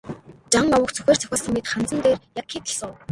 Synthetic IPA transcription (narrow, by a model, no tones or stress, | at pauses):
t͡ɕaŋɔwə̆kt͡sʰɵ̥xʲeːr̥t͡sʰœ̥xʲaːsə̆ŋmet̪χant͡sə̆nt̪eːrjakxit̪ə̆ɬsɔw